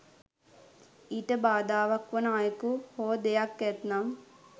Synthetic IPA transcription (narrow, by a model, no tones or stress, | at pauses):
iʈəbaːd̪aːʋakʋənaːjəkuhoːd̪ejakːɛt̪nam